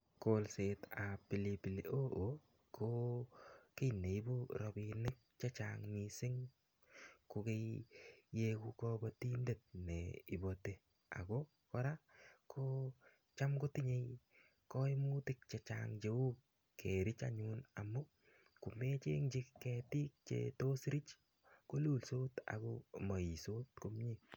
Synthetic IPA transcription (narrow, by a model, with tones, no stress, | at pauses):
kolse˨ta˨pi˨lipi˨lḭʔo˦o | kʰo | ke˦jne˨jbu˦ɾɔ˨binɪ˦k̚t͡ʃɛ˦t͡ʃaŋmisɪ˦ŋ | ko˧ke˦jje˦ku˦kɔbɔtinde˨t̚nḛi˨bo˨te | a̰˨ɡɔ | kɔ˦ɾa˦kʰo˦ | t͡ʃa˦mko˦ti˦ɲe˦j | kɔ˦imu˦tɪk̚t͡ʃe˨t͡ʃa̰ŋd͡ʒe˨u˦k | kʰe˨ɾɪ˦t͡ʃa̰ɲuna˨mu˦ | ku˨me˦t͡ʃḛ˦ŋd͡ʒɪkkːɛti˦k̚t͡ʃḛto˦sɾi˦t͡ʃ | ko˦lu˦lso˦ta̰˨ko̰mɔ˨i˨so˦t̚ko˦mɲi